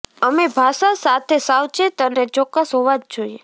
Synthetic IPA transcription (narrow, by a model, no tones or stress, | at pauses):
əmebʱaʃasat̪ʰesawt͡ʃet̪ənet͡ʃɔkːəsɦoʋad͡ʒd͡ʒoie